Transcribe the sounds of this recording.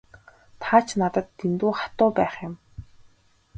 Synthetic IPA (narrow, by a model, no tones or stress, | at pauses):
t̪ʰaːt͡ɕʰnat̪ə̆t̪ːint̪uːχḁt̪ʊːpæːχɪ̆m